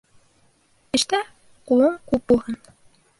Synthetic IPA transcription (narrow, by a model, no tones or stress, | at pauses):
ɘ̆ʃt̪æ | qulˠɤɴkʉp̚bulˠʁɑn